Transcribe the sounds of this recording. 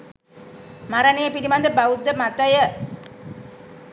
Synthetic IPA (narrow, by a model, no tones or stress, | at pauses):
maɾanejəpiɾimand̪əbaud̪ːəmat̪əjə